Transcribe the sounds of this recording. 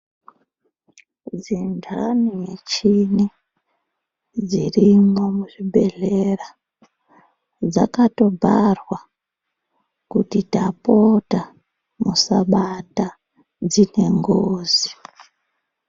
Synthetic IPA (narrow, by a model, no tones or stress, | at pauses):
d͡zindʱanijet͡ʃini | d͡zirimomuʐibʱe̞ɮera | d͡za̰kato̞bʱarwa | kutitapo̞ta | musaɓata | d͡zine̞ŋɡoːzi